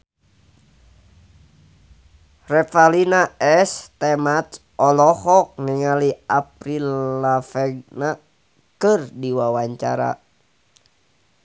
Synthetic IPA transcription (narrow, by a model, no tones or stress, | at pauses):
rɛfalinaɛst̪ɛmat̪ | ɔlɔhɔk̚niŋaliap̚ɾilːafɛɡ̚na | kɨrdiwawaɲt͡ʃa̰ɾa̰